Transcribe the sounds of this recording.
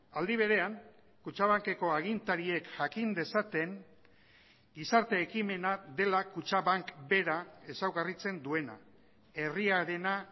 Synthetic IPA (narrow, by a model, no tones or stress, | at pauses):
ald̪iβ̞e̞ɾe̞aŋ | kut͡ʃaβ̞aŋke̞ko̞aɣ̞int̪aɾie̞kʝakind̪e̞sat̪e̞ŋ | ɡisaɾt̪e̞ːkime̞naðe̞lakut͡ʃaβaŋkbe̞ɾae̞sawɣarit͡se̞nd̪ue̞na̰ | e̞riaɾe̞na